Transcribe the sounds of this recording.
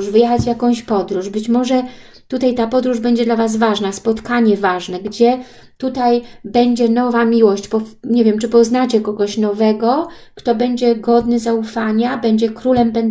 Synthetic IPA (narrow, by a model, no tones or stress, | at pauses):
ʐvɘjɛxad͡ʑvʲjakɔ̃w̃ɕpɔd̪ɾuʐbɘt͡ɕmɔʐɛ | t̪ut̪ajt̪apɔd̪ɾuʐbɛɲd͡ʑɛd̪lavasvaʐnaspɔt̪kaɲɛvaʐnɛɡd͡ʑɛ | t̪ut̪ajbɛɲd͡ʑɛnɔvamʲiwɔɕt͡ɕpɔɲɛvʲjɛmt͡ʂɘpɔznat͡ɕɛkɔɡɔɕnɔvɛɡɔ | kt̪ɔbɛɲd͡ʑɛɡɔd̪nɘzaufaɲabɛɲd͡ʑɛkɾulɛmbɛn